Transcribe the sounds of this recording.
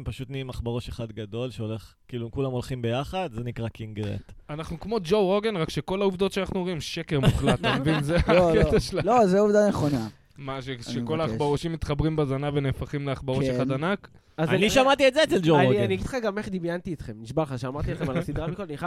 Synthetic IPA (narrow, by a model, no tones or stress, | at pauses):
mpaʃut̪niimaχbaʁoʃeχad̪ɡad̪o̞lʃeole̞χ | kiːlumkulamolχimbe̞jaχad̪zenikʁakiŋɡʁḛt̪anaχnukmo̞d͡ʒowʁo̞ɡenʁakʃe̞ko̞lauvd̪o̞tʃeanaχnuoʁimʃeke̞ʁmuχlat̪avinzeaketaʃlalozeuvd̪aneχona | maʃeʃeko̞laːχbaʁoʃimːit̪χabʁimbezanave̞neːfaχimleaχbaʁoʃeχad̪anak | azaniʃamat̪ietzeːt͡seld͡ʒoaoianiaɡid̥̪χaɡameχd̪imjant̪iːt̪χe̞mniʃbalχaʃeamaʁt̪ieχemalasid̪ʁamikolaniχa